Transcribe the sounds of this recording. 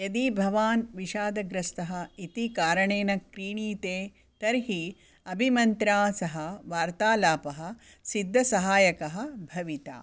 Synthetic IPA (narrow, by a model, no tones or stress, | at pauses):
jɐd̪ibʱɐʋaːnʋiʃaːd̪ɐɡɾɐst̪ɐɦɐit̪ikaːɾɐɳeːnɐkɾiːɳiːt̪eː | t̪ɐɾɦi | ɐbʱimɐnt̪ɾaːsɐɦɐʋaːɾt̪aːlaːpɐɦɐ̆ | sid̪ʱːɐsɐɦaːjɐkɐɦɐ̆bʱɐʋit̪a̰ː